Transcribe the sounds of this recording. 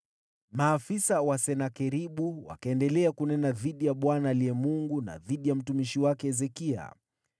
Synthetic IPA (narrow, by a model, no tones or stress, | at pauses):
maːfisawasɛnakɛɾiɓuwa̰kaɛndɛlɛakunɛnaðiɗijaɓwanaːliɛmuŋɡuna̰ðiɗijam̩tumiʃiwakɛɛzɛkia̰